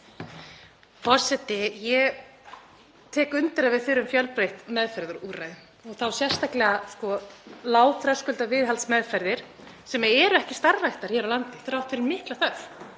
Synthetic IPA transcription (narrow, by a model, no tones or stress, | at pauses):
fɔr̥sɛt̪ɪjɛ | t̪ʰɛːkʏnt̪ɪɾaðvɪðfɪɾʏmfjœlpɾejht̪mɛðfɛɾðʏɾuːɾajðm | ɔɣθawsjɛr̥st̪aklɛɣaskɔlaːwt̪ɾœskʏlt̪avɪːðɦalsmɛðfajɾðɪɾ̥ | sɛmaɛːɾʏɛhcɪst̪aɾːajht̪aɾ̥çjɛːɾawlant̪ɪ̥θɾawht̪fɪɾɪɾmɪht̪laθœf